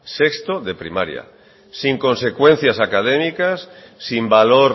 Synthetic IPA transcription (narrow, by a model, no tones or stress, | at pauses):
sekst̪oðe̞pɾḭma̰ɾja̰ | siŋkõ̞nse̞kwe̞n̟θjasakað̞emikasː | imbalo̞ɾ